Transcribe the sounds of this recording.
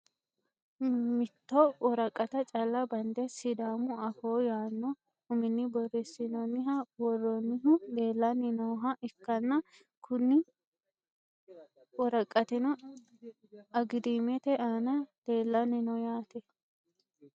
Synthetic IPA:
mɪt̪ːɔwɔɾɐkʼːɐt̪ɐt͡ʃʼɐlːɐbɐnd̪ɛsɪd̪aːmʊɐfoːjaːnːɔ | hʊmɪnːɪbɔrːɛsːɪnɔnːɪɦɐwɔrːɔnːɪɦʊd̪e̞ːlːɐnɪnɔːɦɐʔɪkːɐnːɐ | kʰʊnːɪ | wɔɾɐkʼːɐt̪ɛnɔ | ɐɡɪd̪imɛt̪ɛʔaːnɐd̪̥e̞ːlːɐnɪnɔjaːt̪ɛ

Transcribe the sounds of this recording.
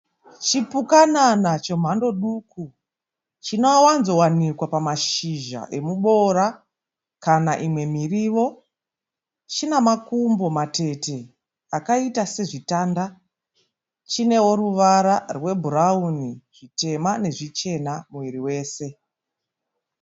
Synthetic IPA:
t͡ʃipukananat͡ʃom̤ando̞ɗuku | t͡ʃinowanzo̞wanikwapamaʃiʒa̰ʔe̞muɓo̞ɾa | kanaʔimwe̞miriːʋo̞ | t͡ʃinamakumbo̞mate̞te̞ | akaitase̞ʐitaːnda | t͡ʃine̞wo̞ɾuʋaɾarwe̞bʱuɾauniʐ̥ite̞mane̞ʐit͡ʃe̞namuʋiɾiwe̞ːse̞

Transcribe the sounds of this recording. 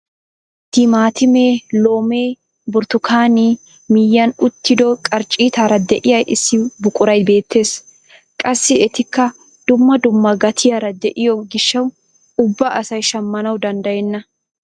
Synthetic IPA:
t̪ɪmaːt̪ɪmeːlo̞ːme̞ː | bʊɾt̪ʊkʰaːniː | mɪjːɐnʊt̪ːɪd̪ɔkʼɐɾt͡ʃʼiːt̪aːɾɐd̪ɛʔɪjɐjʔɪsːɪbʊkʼʊɾɐjbe̞ːt̪ʰːe̞ːs | kʼɐsːɪɛt̪ɪkːɐ | d̪ʊmːɐd̪ʊmːɐɡɐt̪ʰɪjaːɾɐd̪ɛʔɪjɔɡɪʃːɐw | ʊbːɐʔɐsɐjʃɐmːɐnɐwd̪ɐnd̪ɐjɛnːɐ

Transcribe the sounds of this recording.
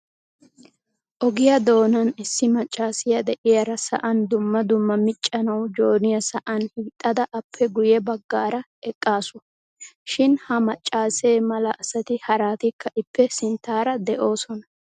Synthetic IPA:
ʔɔɡɪjɐd̪o̞ːnɐnɪsːɪmɐt͡ʃʼːaːsɪjɐd̪ɛʔɪjɐɾɐsɐ̰ʔɐnd̪ʊmːɐd̪ʊmːɐmɪt͡ʃʼːɐnɐwd͡ʒo̞ːnɪjɐsɐʔɐnhiːt̪ʼːɐd̪ɐʔɐpʰːɛɡʊjɛbɐɡːaːɾɐ | ɛkʼːaːsʊ | ʃɪnhɐmɐt͡ʃʼːaːseːmɐlɐʔɐsɐt̪ɪhɐɾaːt̪ɪkʰːɐʔɪpːɛsɪnt̪ːaːɾɐd̪ɛʔo̞ːsɔnɐ

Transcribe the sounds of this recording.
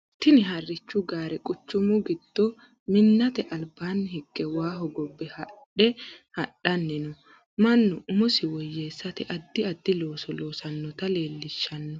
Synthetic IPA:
t̪ɪnɪɦɐrːɪt͡ʃːʊɡaːɾɛkʼʊt͡ʃːʊmʊɡɪd̪̥ːɔ | mɪnːɐt̪ɛʔɐlbaːnːɪhɪkːɛwaːɦɔɡɔbːɛhɐᶑɛhɐɗɐnːɪnɔ | mɐnːɔʊmɔsɪwɔjːeːsːɐt̪ɛʔɐd̪ːɪɐd̪ːɪlo̞ːsɔlo̞ːsɐnːɔt̪ɐle̞ːlːɪʃːɐnːɔ

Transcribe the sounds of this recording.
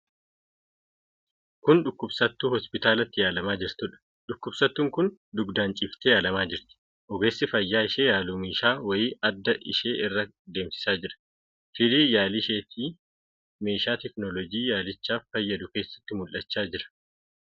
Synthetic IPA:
kʊnᶑʊkːʊbsɐt̪ːuːhɔspɪt̪aːlɐt̪ːɪjaːlɐmaːd͡ʒɪɾt̪ʊᶑɐ̥ | ᶑʊkːʊbsɐt̪ːuːŋkʊnd̪ʊɡd̪aːnt͡ʃʼɪːft̪ejaːlɐmaːd͡ʒɪɾt̪ɪ̥ | ʔɔɡe̞ːsːɪfɐjːaːɪʃeːjaːluːmeːʃaːwɐjiːɐd̪ːɐʔɪ̰ʃe̞ːʔɪrːɐ | d̪e̞ːmsɪ̥saːd͡ʒɪɾɐ̥ | fɪd̪iːjaːlɪʃeːt̪ʰiː | meːʃaːt̪ɛknɔlɔɡiːjaːlɪt͡ʃːaːffɐjːɐd̪ʊkeːsːɐ̥t̪ːɪmʊlʔɐt͡ʃːaːd͡ʒɪɾɐ̥

